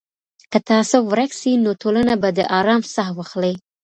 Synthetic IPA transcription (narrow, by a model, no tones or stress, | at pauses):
kət̪ɑsowɾaksinotʰolanabad̪əʔɑɾɑmsaxwaxləj